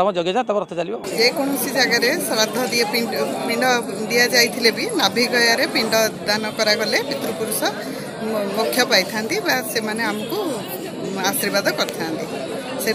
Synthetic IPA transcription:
t̪ɔbɔ̃d͡ʒɔɡjɔd͡ʒat̪ɔbɔ̃ɾɔt̪ʰɔt͡ʃalibɔd͡ʒekɔñɔsid͡ʒaɡaɾesɔɾad̪ʱɔd̪iepipiɳɖɔd̪ijad͡ʒajt̪ʰilebinabʱiɡɔjaɾepiɳɖɔd̪anɔkɔɾaɡɔlebit̪ɾupuɾusɔ | mukʰjɔpajt̪ʰant̪ibasemaneamɔku | asiɾbad̪ʱɔkɔɾt̪ʰant̪i | se

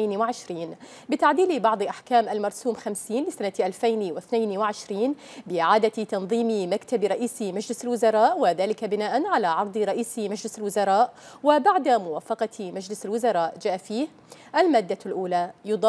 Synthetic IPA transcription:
jnwɪʕɪʃɾiːn | bɪt̪aʕd̪iːlbɑʕd̪ˤʔaħkaːmʔalmɑɾˤsuːmxamsiːnlɪsanaʔalfajnwɪθnajnwɪʕɪʃɾiːn | bɪʔɪʕaːd̪at̪ɑnðˤiːmmakt̪abɾˤɑʔiːsmad͡ʒlɪsalwʊzɑɾˤɑːʔwɪðaːlɪkabɪnaːʔanʕalaʕɑɾˤd̪ˤɾˤɑʔiːsmad͡ʒlɪsalwʊzɑɾˤɑːʔwɪbaʕd̪amʊwaːfɑqɑmad͡ʒlɪsalwʊzɑɾˤɑːʔd͡ʒaːʔafiːh | ʔalmaːd̪ːalʔuːlajʊd̪ˤɑ

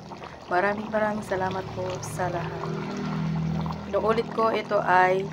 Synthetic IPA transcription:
mɐɾaːmɪŋmɐɾaŋsɐlaːmɐt̪̚posɐlaɦat̪ | kɪnoʔuːlɪt̪̚koʔɪt̪o̞ʔaj

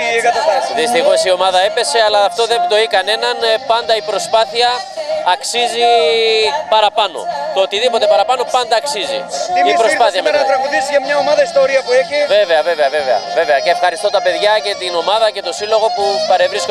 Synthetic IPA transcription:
kɐɐɐðist̪ixo̞sio̞mɐðɐe̞pe̞se̞ɐlɐːft̪o̞ðemd̪o̞ikɐne̞nɐnpɐnd̪ɐipɾo̞spɐθiɐːksizi | pɐɾɐpɐno̞̰t̪oːt̪iðipo̞t̪e̞pɐɾɐpɐno̞pɐnd̪ɐːksizḭiipɾospɐθiɐmnɐt̪ɾɐɣuðisiɐmɲɐomɐðɐist̪oɾiɐpueçive̞ve̞ɐve̞veɐve̞ve̞ɐ̰ve̞ve̞ɐceːfxɐɾist̪o̞t̪ɐpe̞ðʝɐce̞t̪ino̞mɐðɐce̞t̪o̞silo̞ɣo̞pupɐɾe̞vɾisko

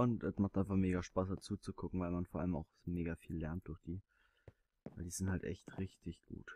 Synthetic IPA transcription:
ʊntɛsmaχtʔaɪnfaχmeːɡaʃpaːsd̥at͡suːt͡sukʰʊkŋ̩vaɪlmanfoːʔa̰ləma̰ʊxmeːɡafiːlːɛɐnt̚d̥ʊɐçd̥iː | vaɪldiːz̥ɪnthaltʔɛ̰çtʁɪçtʰɪçɡ̥ṵːt

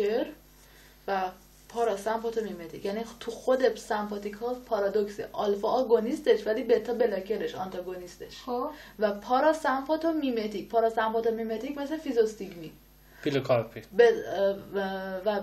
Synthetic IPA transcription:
keɾ | væ | pʰɒɾɒsæmpɒt̪ʰomimet̪icjænit̪ʰuxo̞d̪esæmpʰɒt̪ʰikʰɒpʰɒɾɒd̪okseʔɒlfɒːɡo̞nist̪eʃvæliːbet̪ʰːɒbelɒce̞ɾeʃɒnt̪ʰɒɡo̞nist̪eʃvæpʰɒːɾɒsæmpɒt̪ʰomimet̪ʰicpʰɒːɾɒsæmpʰɒt̪ʰomimet̪ʰicme̞sefizost̪iɡmi | pilokʰɒɾpʰibe | væ

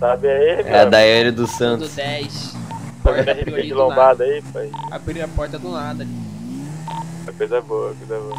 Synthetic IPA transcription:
sabɪaiɛ̰d̪aɛɾɐd̪ʊsɐ̃nt̪ʊsɛjsõɛɦiẽd͡ʒɪlõbad̪ʊaifoja̰bɾiɾɐpɔɾt̪ɐd̪ʊlad̪ɐiiɐkojzɐɛboɐkojzɐɛboɐ

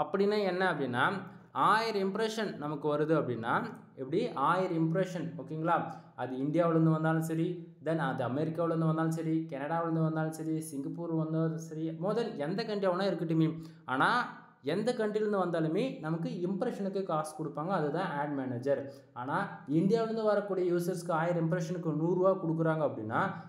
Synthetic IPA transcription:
ɐpːɐɽinːeɛnːɐɐpːɐɽinːaː | aːjɐɾimpɾeʂɐnnɐmukːɨʋɐɾɯðɯɐpːɐɽinːaː | ipːɐɽiʔaːjɐɾimpɾeʂɐnoːkːejŋɡɐɭaːɐðɨiɳɖijaːʋiɭenːɯʋɐnd̪aːlumsɐɾid̪ɐnɐðɨɐmeːɾikːaːʋiɭenːʋɐnd̪aːlumsɐɾikɛnɐɽaːʋiɭenːɨʋɐnd̪aːlumsɐɾisiŋɡɐpːuːɾʋɐnːd̪ɐsɐɾimoðɐlend̪ɐkɐɳɖiɐʋɐɳaːeɾɯkːiʈːimim | aːnaː | end̪ɐkɐɳɖilenːɨʋɐnd̪aːluminɐmukːɨimpɾɐʂɐnukːekaːskɔɽupːaːŋɡɐɐðɨt̪ãːaːɖmeːneːd͡ʒɐɾ | aːnaːiɳɖjaːʋɪɭenːɯʋɐɾɐkːuːɽijɐjuːsɐɾskɨaːjɐɾimpɾeʂɐnɯkːɨnuːrʋaːkɔɽukːɯraːŋɡɐɐpːɐɽinːaː

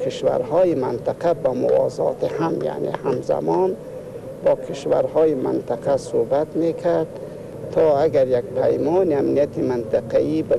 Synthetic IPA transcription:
kʰiʃva̰ɾhɔːjimant̪aqabamʊ̰vɒ̰ːzɒ̰ːt̪ʰihamja̰ʔnḛhamza̰mɔn | bɒːkʰiʃva̰ɾhɔːjimant̪ʰaqʰasobat̪mekʰaɾd̪̚ | t̪ʰɒːaɡaɾjaɡpʰajmɔːniamnijat̪ʰimant̪ʰaqaiba

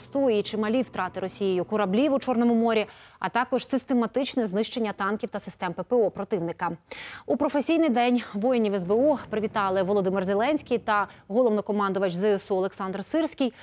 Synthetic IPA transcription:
st̪ɔit͡ʃɪmɐlʲiwt̪ɾɑt̪ɪɾɔsʲijɪjʊkʊɾɐblʲiʋʊt͡ʃɔrnɔmʊmɔɾʲiɐ̰t̪ɑkɔʒ̥sɪst̪e̞mɐt̪ɪt͡ʃnɛznɪʃt͡ʃe̞nʲːɐt̪ɑnkʲiwt̪ɐsɪ̥st̪ɛmpepeɔpɾɔt̪ɪʋnɪkɐupɾɔfesʲijnɪjd̪ɛnʲʋɔjɪnʲiʋɛzbeupɾɪʋʲit̪ɑlˠɪʋɔlˠɔd̪ɪmɪrzelˠɛnʲsʲkʲijt̪ɐɦɔlˠɔʋnɔkɔmɑnd̪ʊʋɐt͡ʃzɛɛsuɔlˠe̞ksɑnd̪rsɪrsʲkʲij

